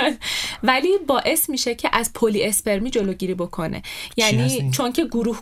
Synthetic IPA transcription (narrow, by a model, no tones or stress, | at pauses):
væliːbɒːʔe̞smiːʃecʰeʔæzpʰoliespe̞ɾmiːd͡ʒo̞loɟiːɾiːbo̞kʰonḛjæniːt͡ʃʰoncʰe̞ɡuɾuːh